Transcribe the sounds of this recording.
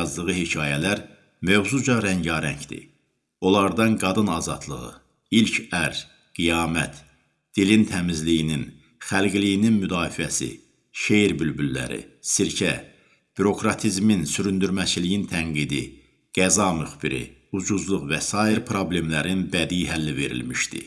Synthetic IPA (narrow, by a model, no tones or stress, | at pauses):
zlˠɯʁɯhecʰɑːjælæɾ | møvzud͡ʒɑɾæɲɟɑɾæɲcd̪ḭ | o̞lˠɑɾd̪ɑnɡɑd̪ɯnɑzɑ̰d̪lˠɯ̰ʁɯ̰ | ilcʰæɾ | ɡ̥ijɑːmæ̰t̪ | d̪̥ilint̪ʰæmizlijinin | χælɡilijininmyd̪ɑːfiæsḭ | ʃejɾbylbylːæ̰ɾḭsiɾcʰæ | b̥yɾo̞kʰɾɑt̪ʰizminsyɾynd̪yɾmæt͡ʃʰilijint̪ʰæŋɡid̪i | ɡ̥æzɑmyχb̥iɾḭ | ud͡ʒuzlˠuʁvæsɑːiɾpʰɾo̞ble̞mlæɾinbæd̪ijiɦælːive̞ɾḭlmiʃt̪ḭ